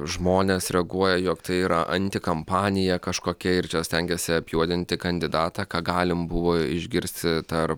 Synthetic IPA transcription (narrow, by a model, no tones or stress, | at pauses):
ʒmoːnʲesɾʲɛɡuɔjɛjoːkt̪ɐɪiːɾɐʔɐnʲt̪ʲɪkɐmpɑːnʲɪjɛkɐʃkoːkʲɛɪɾt͡ʃʲɛsʲt̪ʲɛŋʲɡʲɛsʲɪɐpʲjuɔd̪ʲɪnʲt̪ʲɪkɐnʲd̪ʲɪd̪ɑːt̪ɑːkɑːɡɑːlʲɪmbʊʋoːɪʒʲɡʲɪɾʲsʲt̪ʲɪt̪ɐrp